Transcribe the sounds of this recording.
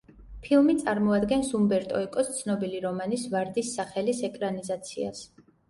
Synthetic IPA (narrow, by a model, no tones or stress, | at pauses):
pʰilˠmit̪sʼaɾmɔad̪ɡɛnsumbɛɾt̪ʼɔɛkʼɔst̪sʰnɔbiliɾɔmanisvaɾd̪isːaχɛlisɛkʼɾanizat̪sʰia̰s